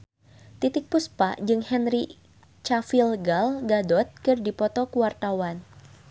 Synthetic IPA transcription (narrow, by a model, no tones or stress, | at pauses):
t̪it̪ɪk̚puspa̰d͡ʒɨŋhɛnɾi | t͡ʃafilɡalɡadɔt̪̚kɨrdipɔt̪ɔkuwart̪awan